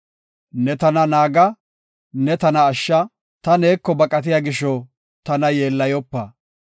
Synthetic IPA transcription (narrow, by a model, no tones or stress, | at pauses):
nɛt̪ɐnɐnaːɡɐ | nɛt̪ɐnɐːʃːɐ | t̪ɐne̞ːkːɔbɐkʼɐt̪̬ɪjaːɡɪʃːɔ | t̪ɐnɐjeːlːɐjɔpːɐ